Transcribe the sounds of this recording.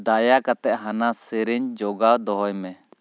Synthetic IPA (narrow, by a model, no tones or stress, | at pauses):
d̪ajakat̪ɛʔ̚ɦanasiɾiɲd͡ʒɔɡawd̪ɔɦɔjmɛ